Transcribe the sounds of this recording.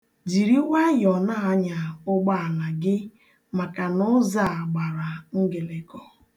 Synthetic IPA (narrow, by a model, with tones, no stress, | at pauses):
d͡ʒi˨ɾi˦wa˦jɔ˨na˦a˦ɲa˨ʊ˦ɡ͡ba˦a˨la˨ɡɪ˦ | ma˨ka˨nʊ˦za˦˨a˨ɡ͡ba˨ɾa˨ŋ̩˦ɡe˨le˨kɔ˦